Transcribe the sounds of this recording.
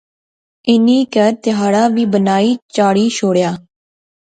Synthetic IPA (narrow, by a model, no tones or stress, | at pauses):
ɪniːkəɾt̪ɪɦaːɽaːʋiːbənaːiːt͡ʃaːɽiːʃʰoːɽjaː